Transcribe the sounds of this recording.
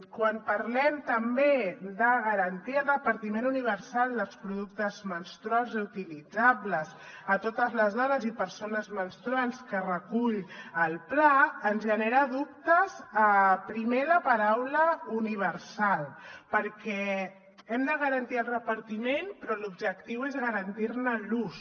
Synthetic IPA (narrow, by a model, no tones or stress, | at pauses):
kwampəɾlɛmt̪əmbed̪əɣəɾənt̪iaəlˠrəpəɾt̪imenuniβ̞əɾsalˠd̪əlˠspɾuðuk̚t̪əzmənst̪ɾualzeut̪ilid͡zaβləz | ət̪ot̪əzləzðaðəzipəɾsonəzmənst̪ɾuanskərəkuʎəlˠplaənzʒəneɾaðup̚t̪əzəpɾimeɾəpəɾawləuniβ̞əɾsalˠpəɾkɛ | ɛmd̪əɣəɾənt̪iəlˠrəpəɾt̪imenpɾɔlubʒək̚t̪iwezɣəɾənt̪iɾnəlus